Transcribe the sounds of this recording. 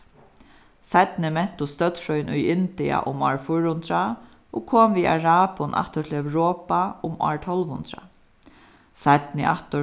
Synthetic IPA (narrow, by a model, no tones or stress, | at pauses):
sat̪nɪmɛn̥t̪ʊst̪œt̪fɾɔjnʔʊjɪnt̪ɪa̰ʔʊmaːɹfʊɾhʊnt̪ɾa | ɔkʰoːmviːʔa̰ɹaːpʊnʔa̰ht̪ət̪ʰɪlɛwɾoːpaʊmɔ̰ːɹt̪ʰɔlʋhʊnt̪ɾa̰ | sat̪nɪʔaht̪ə